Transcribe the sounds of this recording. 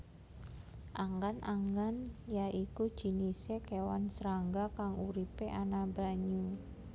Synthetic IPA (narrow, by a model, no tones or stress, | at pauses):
ʔaŋɡanʔaŋɡanjaikud̥ʒ̥i̤nisekewansɾaŋɡakaŋuɾipeʔanaba̤ɲu